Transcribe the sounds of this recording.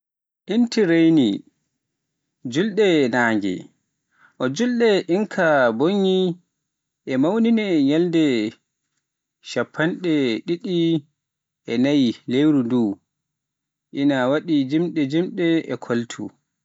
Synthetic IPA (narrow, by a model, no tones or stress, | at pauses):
ʔintiɾejni | d͡ʒulɗɛnaːŋɡɛ̰ | ʔɔd͡ʒulɗɛʔiŋkʰaboɲːi | ʔɛmawninɛɲɛldɛ | ʃapʰːanɗɛɗiɗi | ʔɛnajilewɾunduː | ʔinawaɗid͡ʒimɗɛd͡ʒimɗɛɛkʰoltʰṵ